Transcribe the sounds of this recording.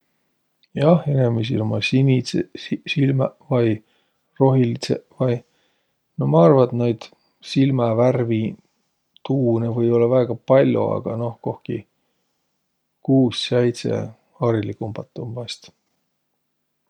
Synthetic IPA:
jɑhenemes̬ḭlomɑsinisesilmɑvɑj | ro̞ɦilit̪sevɑj | nomɑɑrvɑt̪nɑjd̪̥ | silmɑværvi | t̪uːnevɤjo̞lːɑvæeɡ̥ɑpɑlʲjṵɑ̰ɡ̥ɑ̰no̞hko̞hki | kuːsːejt̪sḛ | ɑɾilikumb̥ɑt̪ːˑumvɑst̪

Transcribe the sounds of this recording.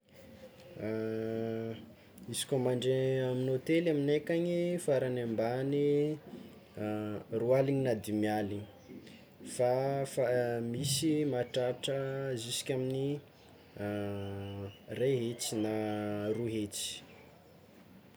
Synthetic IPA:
izi̥kʲomaɳɖ͡ʐeaminot̪elaminekaɲifaɾanambani | rualiɲinad̪imjaliɲi | fafamisimaʈ͡ʂaʈ͡ʂəzisi̥kʲamini | reɦet͡sinaruɦet͡si̥

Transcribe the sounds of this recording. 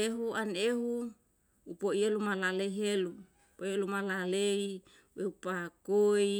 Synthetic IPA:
eɦuaneɦuː | poielumalaleiɦelu | poielumalalei | weupakoi

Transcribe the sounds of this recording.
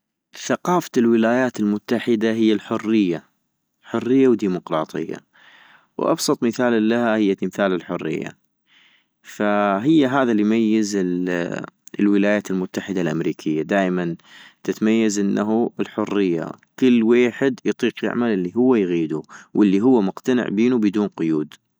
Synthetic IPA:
θaqɑːfḁlwɪlaːjaːt̪ɪlmʊt̪ːaħɪd̪aɦɪjːalħʊrːɪjːa | ħʊrːɪjːawd̪iːmʊqɾˤɑːt̪ˤɨ̰jːa̰ | wʔɑ̰bsˤɑt̪ˤmɪθaːllːahahɪjːat̪ɪmθaːlɪlħʊrːɪ̰jːa̰ | faɦɪjːaɦaːðalijmajːɪzɪ | lwɪlaːjaːt̪ɪlmʊt̪ːaħɪd̪alʔamɾiːkʰɪjːad̪aːʔmant̪ɪt̪amajːazʔɪnːaɦubɪlħʊrːɪjːa̰ | kɪlːweːħɪd̪jt̪ˤiːqjɪ̰ʕmalʔɪlːiɦʊwːajɣiːd̪uwʔɪlːiɦʊwːamʊqt̪anɪ̰ʕbiːnubɪd̪uːnqʊjuːd̪

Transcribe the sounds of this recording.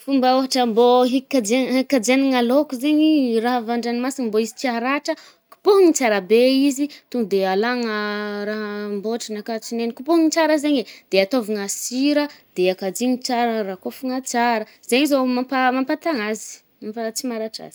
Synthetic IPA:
fumbəoɦaʈ͡ʂəmboɦikːad͡ʒeɦikːad͡ʒeniŋalokuzeɲiraɦavaɳɖ͡ʐanimasimboizit͡siaɾaʈ͡ʂə | ku̥poɦuŋit͡saɾabeizit̪uŋud̪ealaŋəɾaɦəmboʈ͡ʂinakat͡sinenikupoŋit͡saɾəzeɲed̪̥eat̪oviŋasiɾəd̪̥eakad͡ʒiŋit͡saɾərakofuŋat͡saɾə | z̥eɲizomampamampat̪aŋazi̥ | mamfat͡simaɾaʈ͡ʂa̰zi̥

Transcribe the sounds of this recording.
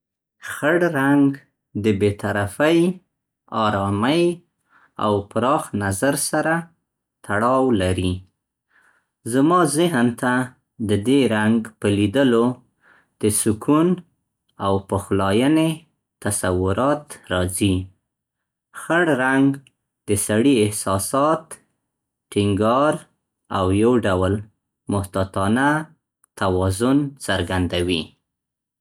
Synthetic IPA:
xəɽɾaŋɡ | d̪əbet̪aɾafəj | ɑɾɑməj | a̰wpɾɑxnazaɾsaɾa | t̪ʰaɽɑwlaɾi | zamɑzɪɦnt̪a | d̪əd̪eɾaŋɡpəlid̪əlo | d̪̥əsʊkun | awpəxlɑjəne | t̪asawʊɾɑt̪ɾɑzi | xəɽɾaŋɡ | d̪əsaɽiɪhsɑsɑt̪ | ʈɪŋɡɑɾ | awjawɖawl | mʊht̪at̪ɑna | t̪awɑzʊnt͡səɾɡand̪awi

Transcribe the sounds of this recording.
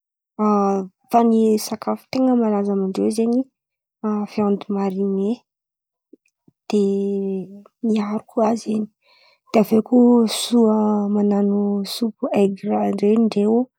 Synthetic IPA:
a | fanisakafu̥t̪eŋəmalazamaɳɖ͡ʐewzeɲi | fjãnd̪umaɾine | d̪̥e | miaɾukuazeni̥ | d̪̥eavekusuəmananusupueɡɾaɳɖ͡ʐeɳɖ͡ʐeu

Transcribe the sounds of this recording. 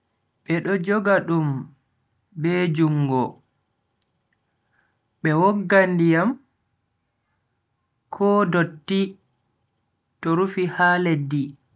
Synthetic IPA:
ɓɛɗɔd͡ʒɔɡaɗum | bɛd͡ʒuŋɡɔ | ɓɛwɔɡːandijam | kʰɔːdotːi | tɔɾufihaːledi

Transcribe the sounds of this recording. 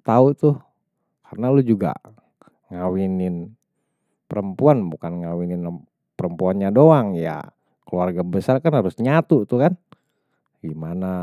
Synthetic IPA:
t̪aut̪ʊh | karənalʊd͡ʒuɡa̰ | ŋawinɪn | pəɾəmpuanbukanŋawinɪn | pəɾəmpuanɲadoaŋja̰ | kəluarɡabəsarkanhaɾʊsɲat̪ut̪ukan | ɡimana

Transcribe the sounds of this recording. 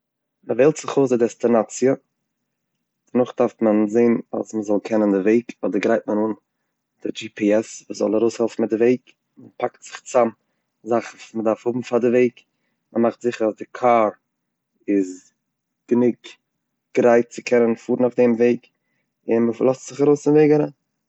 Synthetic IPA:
məveɪlˠtz̥ɪχoʊsdɪdɛstinat͡siə | d̥ənʊχd̥aɾftmənzeɪna̰sməzɔlˠkʰɛnəndɪveɪkʰɔdəɾɡɾaɪt̚mənuːn | d̥ɪd͡ʒipʰiɛsvuːszɔ̰lˠaɾoʊshɛlˠfn̩mɪt̚dɪveɪk | mənpaktz̥ɪχt͡sam | zaχn̩vusmədaɾfhʊbm̩fadɪveɪk | məmaχtz̥ɪχəɾazdɪkʰaːɾ | ɪz | ɡ̥ənɪk̚ | ɡ̥ɾaɪt̚t͡sɪkʰɛnənfuːɾən̩aʊfdɛmveɪk | ɪnməflˠɔstz̥ɪχaɾoʊsɪnveɪɡaɾa

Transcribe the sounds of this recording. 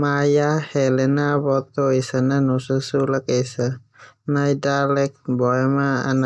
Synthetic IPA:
majahɛlɛnabɔt̪ɔesananusəsulakejsa | najdalɛk̚bɔɛmaa̰n

